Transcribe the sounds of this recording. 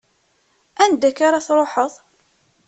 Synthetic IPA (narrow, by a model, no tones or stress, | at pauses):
ænd̪ækaɾaθɾˤoħəðˤ